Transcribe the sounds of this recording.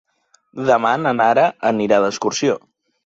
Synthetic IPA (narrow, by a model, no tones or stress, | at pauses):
ðəmanənaɾəʔəniɾaðəskuɾsio